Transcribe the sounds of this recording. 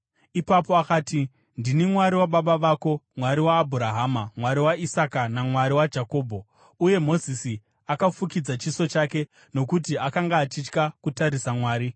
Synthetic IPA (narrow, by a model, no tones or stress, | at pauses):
ipapo̞akaːti | ndinimwaɾiwaɓaɓaʋaːko̞mwaɾiwaːbʱuɾaɦaːmamwaɾiwaisakanamwaɾiwad͡ʒako̞ːbʱo̞ | uje̞mo̞zisi | akafukid͡zat͡ʃiso̞t͡ʃake̞ | no̞kut̬iakaŋɡaːt͡ʃit͡ʃkakutaɾisamwaːɾi